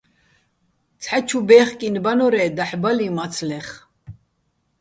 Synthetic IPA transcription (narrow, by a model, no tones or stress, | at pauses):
t͡sʰħat͡ʃʰubɛːχkʼinbanɔɾɛd̪aħbalimat͡sʰlɛχ